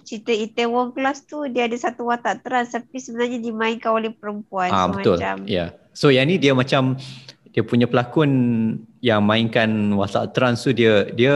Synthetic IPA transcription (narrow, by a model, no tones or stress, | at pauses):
t͡ʃit̪əit̪ewɔŋklast̪udiəadasat̪uwat̪aʔt̪əɾant̪apisəbənarɲadimãiŋkanolɛhpəɾəmpuanabəmat̪ʊlt͡ʃa̰mja | sojanidiəmat͡ʃamdiəpuɲapəlakʊnjaŋmãiŋkanwat̪a̰ʔt̪əɾant̪udiədiə